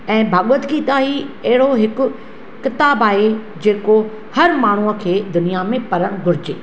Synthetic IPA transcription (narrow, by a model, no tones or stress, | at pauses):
ɛ̃ːbʱaːɠwət̪ɡit̪aːɦiɐɦɪɽoɦɪkʊ̆ | kɪt̪aːbaːɦe | d͡ʑeːko | hɐɾmaːɳ̤uəkʰeːd̪ʊnijamẽpɐɾəɽ̃ɡʱʊɾɪd͡ʑeː